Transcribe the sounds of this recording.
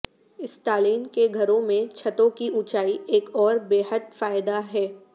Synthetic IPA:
ɪsʈaːliːnkeɡʱɐɾõmẽt͡ʃʰɐt̪õkiʔʊt͡ʃaːieːkɔːɾbeːɦəd̪̚faːɪd̪aɦɛː

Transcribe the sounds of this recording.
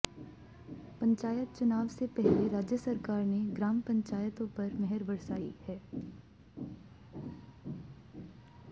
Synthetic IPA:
pɐ̃ɲt͡ʃaːjət̪̚t͡ʃʊnaːʋsepɛɦleɾaːd͡ʒjəsɐɾkaːɾneɡɾaːmpɐ̃ɲt͡ʃaːjət̪õpɐɾmɛɦɛɾbəɾsaːḭhɛː

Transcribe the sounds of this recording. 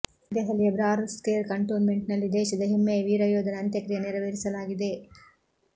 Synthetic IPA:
d̪eɦɐlːiɐbɾaːɾskeːɾkɐɳʈoːnmeɳʈnɐlːid̪ɛːʃɐd̪ɐɦemːeʋiːɾɐjoːd̪ɐnɐnt̪jɐkɾijɐniɾɐʋeɾisɐlaːɡid̪e̞

